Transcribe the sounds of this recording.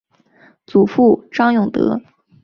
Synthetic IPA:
t͡su˨˩fu˥˩ʈ͡ʂɑ˥ŋjʊ˥˩ŋt̪ɤ̰˧˥

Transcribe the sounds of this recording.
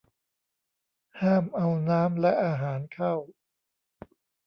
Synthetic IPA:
haː˥˩mʔa˧wnaː˦˥mlɛ˦˥ʔaː˧ɦaː˩˦nkʰa˥˩w

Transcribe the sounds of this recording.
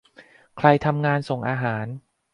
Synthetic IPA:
kʰɾa˧jt̪ʰa˧mŋaː˧nso˨˩ŋʔaː˧ɦaː˩˦n

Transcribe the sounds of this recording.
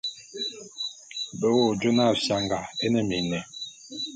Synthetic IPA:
bə˨wo˦˨d͡ʒo˦na˦˨fja˨ŋɡa˨e˦nɛ˦mi˨nɛ˨

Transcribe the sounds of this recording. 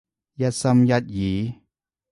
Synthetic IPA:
jɐ˧t̚sɐ˧mjɐ˧t̪̚jiː˨˦

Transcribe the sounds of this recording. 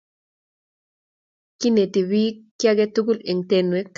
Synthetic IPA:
ki˦ne˨ti˨wi˦kja˦ɡɛ˦tu˦ɡu˦le˨ŋte˨nwe˦k

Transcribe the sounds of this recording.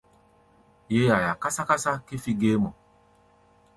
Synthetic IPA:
je˦a˨ja˨ka˦sa˦ka˦sa˦ke˦fi˦ɡe˦mɔ˨

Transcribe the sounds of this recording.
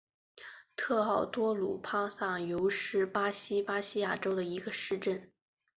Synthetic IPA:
t̪ʰɤ˥˧xɑ˥˩ʊt̪wɔ˥lṵ˨˩pʰa˥ŋsa˥˩ŋjo˧˥ʊʂɻ̩˥pa˥ɕi˥pa˥ɕi˥ja˥˩ʈ͡ʂo˥ʊd̪ə˨i˧˥ɡə˧ʂɻ̩˥˧ʈ͡ʂə˥˩n

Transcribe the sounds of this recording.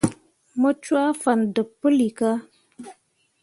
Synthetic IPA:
mə˦t͡ʃwa˦fa˨ndə˨pːə˦li˨ka˦

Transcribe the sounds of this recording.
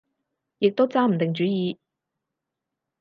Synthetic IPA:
jɪ˨k̚t̪o˥wt͡saː˥m̩˨˩t̪ɪ˨ŋt͡ʃyː˨˥jiː˨˧

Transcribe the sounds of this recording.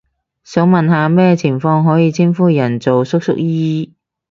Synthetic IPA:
sɐ˨˥wmɐ˨nɦaː˨˧mɛː˥t͡sʰɪ˨˩ŋfɔː˧ŋɦɔː˨˥jiː˧t͡sʰiː˥nfuː˥jɐ˨˩nt͡so˨wsʊ˥k̚sʊ̰˥k̚jiː˥

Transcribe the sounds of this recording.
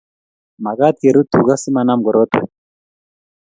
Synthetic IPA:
ma˨ɣa˦t̪e˨ɾu˦t̪u˨ɣa˦si˦ma˨na˦m˨ɡɔ˨ɾo˦t̪wɛ̰˨

